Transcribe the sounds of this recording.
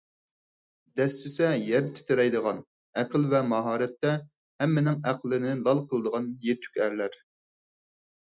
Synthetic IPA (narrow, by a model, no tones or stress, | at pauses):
d̪ɛsːɪsɛjɛɾd̪ɪt̪ʰy̥t̪ʰeɾɛjd̪əʁɑn | æqəlvɛmɑɦɑːɾɛt̪ːɛ | hɛmːɪnɪŋæqlˠɪnɪlˠɑlˠqʰəlˠəd̪əʁɑnjet̪ʰːy̥kʲæɾlæɾ